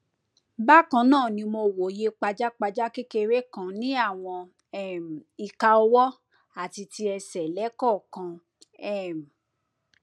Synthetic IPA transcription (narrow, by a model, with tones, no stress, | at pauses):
ba˦˨kã˧˦nãː˦˨nĩ˧mo˧˨wo˨je˧˦k͡pa˧d͡ʒa˦k͡pa˧d͡ʒa˦ke˦ke˧ɾe˦kã˨˦nĩ˦a˦˨w̃ɔ̃˧ | ɛ˦˨m̩˨i˧ka˧ɔ˧wɔ˦ | a˦˨ti˧ti˧ɛ˧sɛ˨lɛ˨˦kɔ˦˨kã˧ | ɛ˦˨m̩˨